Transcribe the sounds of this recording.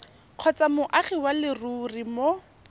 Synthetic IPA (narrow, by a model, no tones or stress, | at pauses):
q͡χʰɔt͡samʊʔaχiwalɪruːrimo